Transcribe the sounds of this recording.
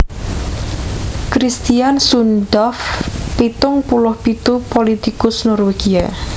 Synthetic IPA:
kɾist̪iansundɔfpit̪ʊŋpulʊhpit̪upolit̪ikʊsnɔrweɡ̥ia

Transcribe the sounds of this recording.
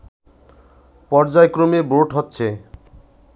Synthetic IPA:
pɔɾd͡ʑaekɾomeboʈɦotːɕʰe

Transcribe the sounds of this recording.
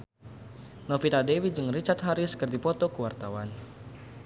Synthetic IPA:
nɔfit̪adewid͡ʒɨŋrit͡ʃart̪̚ɦaɾiskərdipɔt̪ɔkəwart̪awan

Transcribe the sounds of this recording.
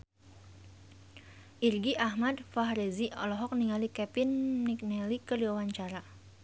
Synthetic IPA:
ʔirɡiʔahmad̚faɦɾeziɔlɔɦɔk̚niŋalikɛpɪnmik̚nɛlikədiwawaɲt͡ʃaɾa

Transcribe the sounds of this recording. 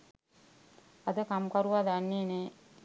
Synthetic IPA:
ad̪əkamkaɾuʋad̪anːine

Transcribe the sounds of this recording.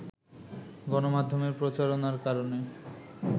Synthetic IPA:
ɡɔnomad̪ʱːomeɾpɾot͡ɕaɾonaɾkaɾone

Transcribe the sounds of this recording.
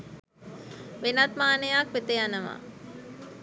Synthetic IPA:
ʋenat̪maːnəjakʋet̪ejanəʋa̰

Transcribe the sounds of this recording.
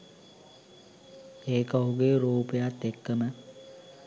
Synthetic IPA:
eːkəɦuɡeːɾuːpəjat̪ːekːəmə

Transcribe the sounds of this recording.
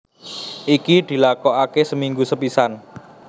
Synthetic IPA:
ʔikid̪̥i̤lakɔakesəmiŋɡusəpisan

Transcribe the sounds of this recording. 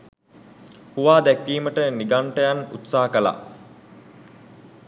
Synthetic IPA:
huʋaːd̪ækʋiːməʈəniɡaɳʈəjanṵt̪saːəkəla̰

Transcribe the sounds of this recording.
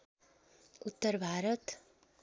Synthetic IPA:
ut̪ːəɾbʱaːɾət̪

